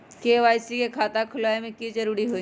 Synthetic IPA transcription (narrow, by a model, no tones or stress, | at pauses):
keʋaːjsikekʰaːt̪akʰʊlaemẽkiːd͡ʒɐɾuːɾiɦoĩ